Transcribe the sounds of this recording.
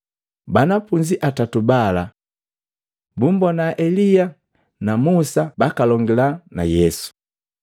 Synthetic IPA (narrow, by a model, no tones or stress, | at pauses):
banapuɲd͡ʒiʔatatubala | bumbɔnaʔɛlia | namusabakalɔŋɡilana̰jɛsu̥